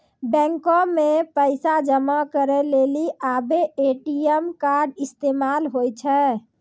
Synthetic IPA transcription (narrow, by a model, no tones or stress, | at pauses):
bɛ̃ŋkɔmepəɪsad͡ʒəmakəɾɛleliʔabeeʈiɛmkaɾɖist̪emalɦojt͡ʃʰɛ